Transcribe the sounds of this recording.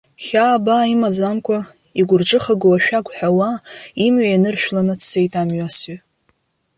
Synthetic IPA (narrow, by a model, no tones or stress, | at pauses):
χʲaːbaimad͡zamkʷʰa | iɡʷʊrʈ͡ʂʼɨχaɡowaʃᶣaɡʷħawaimɥajanɨrʃᶣlanɨdʰse̞jtʼamɥasɥa